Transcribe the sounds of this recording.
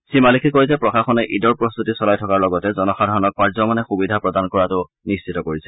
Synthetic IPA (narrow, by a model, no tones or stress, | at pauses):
simalikʰikoizɛpɹɔxaxɔnɛʔidɔɹpɹɔst̪utisɔlajtʰɔkaɹlɔɡɔtɛzɔnɔxadʱɔɹɔnɔk̚paɹzɔmanɛxubidʱapɹɔdankɔɹatʊ | nist͡ʃʰitɔkoɹisɛ